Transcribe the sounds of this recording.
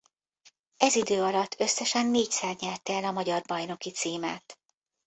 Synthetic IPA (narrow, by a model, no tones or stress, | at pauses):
ɛzid̪øːɒlɒt̪ʰːø̞sːɛʃɛnːeːcsɛrɲɛrt̪ɛlɒmɒɟɒrbɒjno̞kit̪siːma̰ːt̪